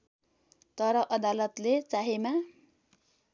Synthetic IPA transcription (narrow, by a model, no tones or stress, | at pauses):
t̪ʌɾʌʔʌd̪alʌt̪let͡saɦema